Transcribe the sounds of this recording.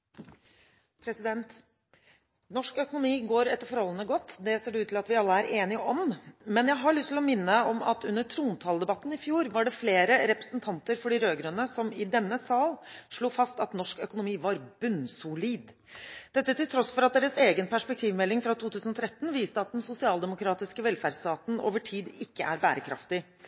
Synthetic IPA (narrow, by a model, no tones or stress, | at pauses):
pʰɾɛsɪd̪ɛnt̪ | nɔʂkœkʊnʊmiːɡoːɾɛt̪ːəɾfɔɾhɔlːənəɡɔt̪ːd̪ɛseːɖɛʉːt̪ʰɪlɑt̪ʋɪɑlːəæɾeːnɪəɔmmɛnjæɦɑɭʏst̪ʰɪlɔmɪnːəɔmɑt̪ʰʉnːəʈʰɾuːnt̪ʰɑːlˠd̪ɛbɑt̪ːn̩ɪfjuːɾʋɑɖɛfleːɾəɾɛpɾəsənt̪ʰɑnt̪əɾfɔɖɪɾøːɡɾønəsɔmɪd̪ɛnːəsɑːlʂɭuːfɑst̪ɑt̪nɔʂkœkʊnʊmiːʋɑɾbʉnsʊliːd̪ | d̪̥ɛt̪ːət̪ɪlt̪ʰɾɔsfɔɾɑt̪̚d̪eːɾəseːɡənpʰæʂpɛk̚t̪ʰiːʋmɛlːɪŋfɾɑt̪uːt̪ʰʉːsnɔt̪ʰɾɛt̪ːn̩ʋiːst̪əɑt̪̚d̪ɛnsʊsɪɑːld̪ɛmʊkʰɾɑːt̪ɪskəʋɛlfæɖst̪ɑːt̪n̩o̰ːʋəʈʰiːd̪ɪkːəʔæɾbæ̰ːɾəkʰɾɑ̰ft̪ɪ